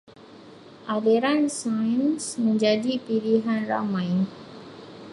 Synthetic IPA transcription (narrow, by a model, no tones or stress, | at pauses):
ʔadeɾansajnsməɲd͡ʒadipiliɦanra̰majn